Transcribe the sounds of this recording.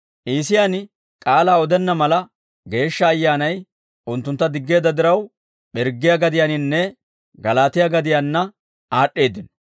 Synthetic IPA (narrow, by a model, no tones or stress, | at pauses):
ʔiːsɪjaːn | kʼaːlaːɔd̪ɛnːɐmɐlɐ | ɡe̞ːʃːɐːjːaːnɐj | ʔʊnt̪ːʊnt̪ːɐd̪ɪɡːe̞ːd̪ɐd̪ɪɾɐw | ɓɛɾɡːɪjaɡɐd̪ɪjaːnɪnːɛ | ɡɐlaːt̪ɪjaɡɐd̪ɪjanːɐ | aːɗːe̞ːd̪ɪn